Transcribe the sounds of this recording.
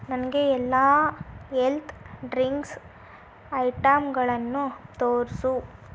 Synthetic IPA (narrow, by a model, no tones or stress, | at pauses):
nɐnɐɡeɛlːaːɦelt̪ʰɖɾiŋks | ɐjʈɐmɡɐɭɐnːut̪oːɾsu